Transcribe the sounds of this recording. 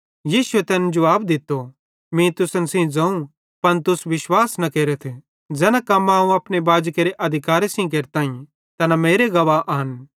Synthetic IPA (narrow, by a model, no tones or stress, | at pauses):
jiːsʊet̪ɛːnd͡ʒʊʋaːbd̪ɪt̪ːo | mĩt̪ʊsənsĩd͡zɐ̃ũ | pɐnt̪ʊsʋɪʃwaːsnɐkeːɾet̪ʰe | d͡zɛːnãkɐmãːũɐpnebaːd͡ʒkeːɾeʔɐd̪ʱɪkaːɾesĩk̬eːɾt̪aːĩ | t̪ɐnameːɾeɡɐʋaʔɦɐn